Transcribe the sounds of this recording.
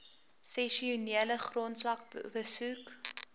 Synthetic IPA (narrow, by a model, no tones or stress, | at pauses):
sɛʃiuniələχrontslɐk̚bbəsuk